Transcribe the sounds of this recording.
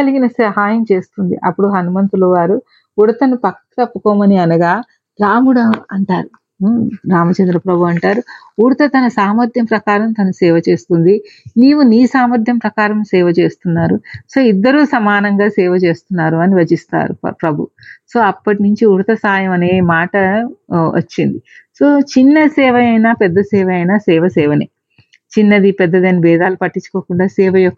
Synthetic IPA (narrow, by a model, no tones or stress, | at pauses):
kɐliɡinɐsɐɦaːjɐmt͡ʃe̞ːst̪und̪ḭʔɐpːuɽuɦɐnumɐnt̪uloʋaːɾu | uɽɐt̪ɐnupɐkːɐɐ̥t̪ɐpːukɔːmɐniɐnɐɡaː | ɾaːmuɽɐɐɳʈaːɾu | ɾaːmɐt͡ʃɐnd̪ɾɐpɾɐbʱuɐɳʈaːɾu | uɽɐt̪ɐt̪ɐnɐsaːmɐɾd̪ʱjɐmpɾɐkaːɾɐmt̪ɐnusɛːʋɐt͡ʃe̞ːst̪und̪iniːʋuniːsaːmɐɾd̪ʱjɐmpɾɐkaːɾɐmsɛːʋɐt͡ʃe̞ːst̪unːaːɾuso̞ːid̪ːɐɾuːsɐmaːnɐŋɡaːsɛːʋɐt͡ʃe̞ːst̪unːaːɾuɐniʋɐd͡ʒist̪a̰ːɾṵpɾɐbʱṵ | so̞ːɐpːɐʈinuɲt͡ʃiuɾt̪ɐsaːjɐmɐneːmaːʈɐʋɐ̰t͡ʃːind̪i | soːt͡ʃinːɐsɛːʋɐɐjnaːpɛd̪ːɐsɛːʋɐɐjnaːsɛːʋɐsɛːʋɐnḛ | t͡ʃinːɐd̪ipɛd̪ːɐd̪ɐnibɛːd̪aːlupɐʈːit͡ʃːu̥koːkuɳɖaːsɛːʋɐjɔkːɐ